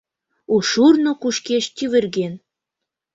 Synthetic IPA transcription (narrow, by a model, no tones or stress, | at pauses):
uʃurnokuʃkeʃt̪ʲyβɘ̆rɡen